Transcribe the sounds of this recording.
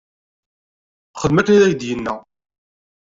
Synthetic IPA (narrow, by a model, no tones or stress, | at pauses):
χəd̪mækæðæjd̪jənːæ